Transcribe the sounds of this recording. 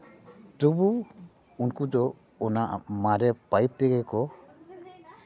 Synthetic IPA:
t̪ubu | unkud̪ɔ | ɔnaʔmaɾɛpajp̚t̪ɛɡɛkɔ

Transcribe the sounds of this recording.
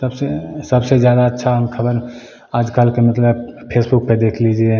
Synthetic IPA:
sɐbsesɐbsezjaːd̪aətːʃʰaɦɐmkʰɐbəɾ | aːd͡ʒkəlkemɐt̪ləbpʰeːsbuk̚ped̪eːkʰlid͡ʒiẽ

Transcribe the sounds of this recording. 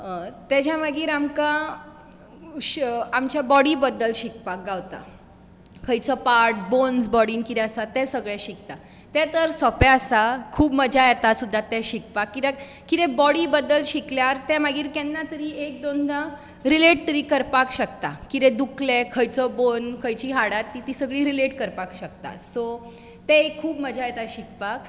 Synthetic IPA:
t̪ɛd͡ʑãmaɡiːɾamka | ɕamt͡ɕjabɔɽibəd̪ːəlɕik̚pak̚ɡawt̪a̰ | kʰəjt͡sɔpaɾʈ̚bonsbɔɽiːŋkit̪ɛ̃əsat̪ɛsəɡɭɛ̃ɕik̚t̪a | t̪ɛ̃t̪əɾsɔpɛəsakʰuːbməd͡ʑʱajɛt̪asud̪ʱːat̪ɛ̃ɕik̚pakːit̪ɛ | kit̪ɛ̃bɔɽibəd̪ːəlɕikljaɾt̪ɛmaɡiːɾkɛ̃nːat̪əɾiːek̚d̪ond̪ə | ɾileʈ̚ʈ̪ɾiːkəɾpakɕəkt̪akit̪ɛ̃d̪ukʰlekʰəjt͡sɔbonkʰəjt͡ɕiːɦaɽat̪ːit̪isəɡɭiːɾileʈkəɾpakɕəkt̪a̰so | t̪ekʰuːbməd͡ʑʱajɛt̪aɕik̚pak

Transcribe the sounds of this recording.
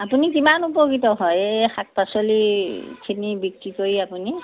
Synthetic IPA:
apunikimanup̬okitɔɦɔjexak̚pasolikʰenibik̚tikoɹiapuni

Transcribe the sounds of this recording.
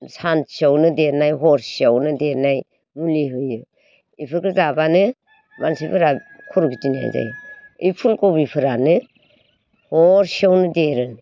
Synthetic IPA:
sansiawnɯdeɾnajɦɔɾsiawnɯdeɾnaj | muliɦɯjɯ | ipʰɯɾkɯzabanɯ | mansibɯɾa | kʰɔɾɡitina̰za̰jipʰulkɔbipʰɯɾanɯ | hɔɾsiawnɯdeɾɯn

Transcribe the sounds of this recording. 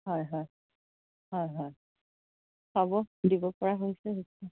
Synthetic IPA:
ɦɔjɦɔj | ɦɔjɦɔj | sabɔdibɔpɔɹaɦojsɛɦeta

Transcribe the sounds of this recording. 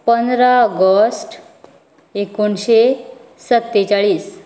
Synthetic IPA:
pənd̪ɾaɡəsʈ | ekoɳɕe | sət̪ːet͡saɭiːs

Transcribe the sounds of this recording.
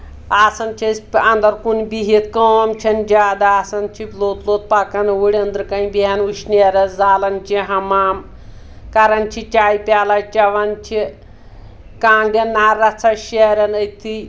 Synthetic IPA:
aːsɐnt͡ʃʰisɐnd̪ɐɾkunbiɦit̪kəːmt͡ʃʰɐnd͡ʒaːd̪aaːsɐnt͡ʃʰipʲloːt̪loːt̪̚pɐkɐnɨwəɽʲiɐnd̪ɾɨkaibiɦaːnuʃneːɾɐzaːlɐnt͡ʃʰiɦɐmaːm | kɐɾɐnt͡ʃʰit͡ʃaːjpʲaːlat͡ʃɐʋɐnt͡ʃʰi | kãːɳɖʲɐnːaːɾɐt͡sʰɐʃeːɾɐnəjt̪ʰi

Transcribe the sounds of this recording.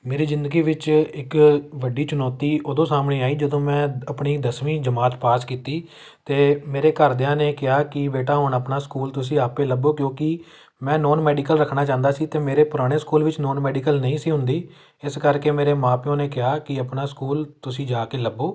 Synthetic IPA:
meːɾiːzɪ̃nd̪əɡiːʋɪt͡ʃɪkʋəɖiːt͡ʃʊnɔːt̪iːʔoːd̪õːsaːmɳeːaːiːd͡ʒəd̪õːmɛ̃ːəpɳiːd̪əsʋĩːd͡ʒəmaːt̪paːskiːt̪iː | t̪eːmeːɾeːkəɾd̪eãːneːkɪjaːkɪbeːʈaːɦoːɳəpnaːskuːlt̪ʊsĩːaːpeːləboːkjõːkɪ | mɛ̃ːnɔːnmɛːɖiːkəlɾəkʰnaːt͡ʃãːnd̪aːsiːt̪eːmeːɾeːpʊɾaːɽ̃eːskuːlʋɪt͡ʃnɔːnmɛːɖiːkəlnəĩːsiːɦʊ̃nd̪iː | ɪskəɾkeːmeːɾeːmãːpɪjõːneːkɪaːkɪəpnaːskuːlt̪ʊsĩːd͡ʒaːkeːləbːoː

